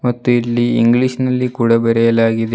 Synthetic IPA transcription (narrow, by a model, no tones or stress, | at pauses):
mɐt̪ːuiɭːiːŋɡɭiʂnɐlːikuːɽɐbɛɾɛjɐlaːɡid̪e